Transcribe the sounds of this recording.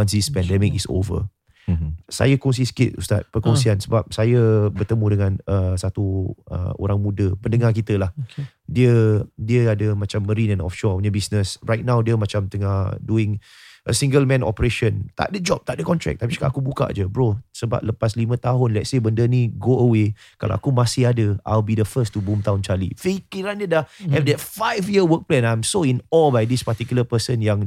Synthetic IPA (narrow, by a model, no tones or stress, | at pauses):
wans̬ispɛndɛmikiso̰və̰ | sa̰jəkɔŋs̬isə̥kɪt̪̚ṵst̪a̰t̪̚pəkɔŋsiansəbap̚sajəbərt̪əmũdəŋãnəsat̪uə̰o̰ɾaŋmũdəpəndəŋark̬it̪əlah | diədiəadəmãt͡ʃamːəɾinɛ̃nɔ̰fʃɔɲəbisnəsɹajt̪̚nãwdiəmat͡ʃamt̪əŋaduɪŋ | ʔəsĩŋɡəlmɛ̃nɔ̰pəɾeʃə̃nt̪a̰ʔdəd͡ʒɔp̚t̪aʔdəkɔnt̪ɾɛ̰k̚t̪apika̰ʔakubuka̰ʔd͡ʒəbɾosəba̰p̚ləpaslimə̃t̪aɦʊnlɛt̪̚sebəndənĩɡoəwe | ka̰la̰ʔa̰kumãsɪhadəa̰jlbidəfəstubumt̪aɦʊ̃nt͡ʃalḭfikiɾandədahɛfdɛt̚fajfjiəwək̚plɛ̃nãjmsoinɔlbajdispat̪ikuləpəsənjaŋ